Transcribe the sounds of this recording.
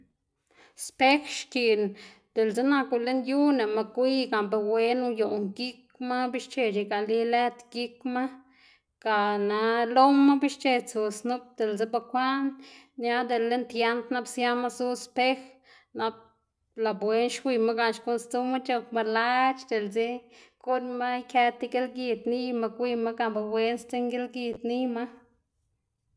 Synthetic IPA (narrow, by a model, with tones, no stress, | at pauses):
spe˦xʃki˨n | d̪̥e˨lze˦na˧ke˧˨le˦nju˦ne˨ma˧kʷi˦ɡa˨mbe˧we˧˦nu˦jo˨ŋɡi˦k | ma˦bi˦ʃt͡ʃe˧ʃi˧˨ɡa˨li˦le˦t̪ɡi˦kma˦ | ka˨na˧˦lo˦mːa˦bi˦ʃt͡ʃe˧t͡su˨snu˦p̚d̪̥e˨lze˦ba˧xʷa˦nːja˦d̪e˨lːe˦nt̪ja˧˦nt̪na˦bsja˦ma˦su˦spe˦x | na˦b̚ | la˨bwe˧˦nʃkʷi˧ma˦ɡa˧˨ʃko˧nst̪u˦ma˦t͡ʃo˧kma˧la˦t͡ʃd̪e˨lzi˦ku˦ɾma˦jke˧t̪i˧ɡe˦lɡi˧d̪ni˦ma˧kʷi˧ma˦ɡa˧˨mba˧bwe˧nst̪e˦ŋɡe˦lɡi˧t̪ni˦ma˦